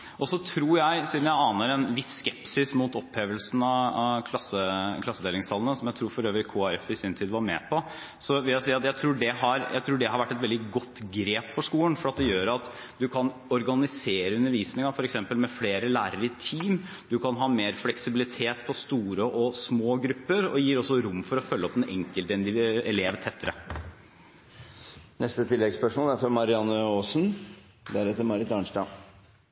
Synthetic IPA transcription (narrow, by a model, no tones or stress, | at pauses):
ʔɔsɔt̪ʰɾuːɾjæɪsiːd̪mjæɪɑːnəɾɛnʋɪsːkɛpsɪsmuːt̪ɔpʰːeːʋəlsn̩ɑɑkʰlɑsəkʰlɑsːəd̪eːlɪŋst̪ʰɑlənəsɔmjæɪt̪ʰɾuːɾfɔɾøːʋɾɪkʰuːæɾɛfɪsɪnt̪ʰiːd̪ʋɑɾmɛ̰ːpʰɔ | sɔʋɪljæɪsiːɑt̪jæɪt̪ʰɾuːɖɛɦɑɾjʔæ̰ɪt̪ʰɾuːɖɛhɑɾʋæʈːɛt̪ʋɛld̪ɪɡɔt̪ːɡɾeːpfɔʂkuːlənfɔɾɑt̪d̪ɛjøːɾɑt̪ | d̪ʉkʰɑn | ɔɾɡɑnɪseːɾəʉnəɾʋiːsənəɡɑŋfɔɾɛksɛmpəlmɛfleːɾəlæːɾəɾɪt̪ʰiːm | d̪ʉkʰɑnɦɑːmeːɾflɛksɪbɪlɪt̪ʰeːt̪pʰɔst̪uːɾəʔɔsmoːɡɾʉpːəɾɔ̰jiːɾɔsːɔɾʊmːfɔɾɔfœlːəɔpːɛnɛŋkəlt̪ɛnd̪ɪɛleːʋt̪ʰɛt̪ːəɾə̰ | nɛst̪ət̪ʰɪlːɛɡspœʂmoːlæɾfɔmɑɾɪɑnːəoːsn | d̪æɾɛt̪ːəɾmɑɾɪt̪ɑːɳʂʈɑ